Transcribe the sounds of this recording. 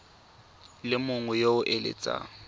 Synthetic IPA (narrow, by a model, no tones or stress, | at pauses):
lɪmʊŋʊjoʊʔelḛt͡sʼa̰